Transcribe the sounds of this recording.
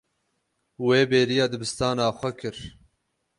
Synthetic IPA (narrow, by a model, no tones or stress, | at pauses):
weːbeːɾijɑːd̪ɨbɨst̪ɑːnɑːxʷɛkʰɨɾ